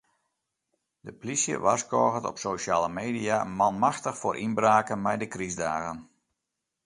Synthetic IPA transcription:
dəplisjə̰ʋaskɔːɣətɔ̰psoʃaːləmeːdiamanmaxtəxfoːɾʔinbraːkənmɛjdəkrizdaːɣən

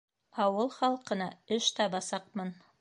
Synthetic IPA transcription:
ɑwɤlˠχɑlˠqɤ̆nɑɵʃt̪ɑbɑsɑqmɤn

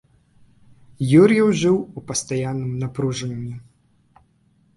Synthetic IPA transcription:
juɾʲjɛwʐɨwupɐst̪ajanːɨmnɐpɾuʐɐnʲumʲi

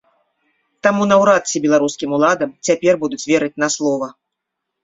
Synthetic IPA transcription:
t̪amunɐwɾat̪sʲibʲɛlˠaɾuskʲimulˠad̪ɐmt͡sʲapʲɛrbud̪ut͡sʲvʲɛɾɨt͡sʲnaslˠɔvɐ

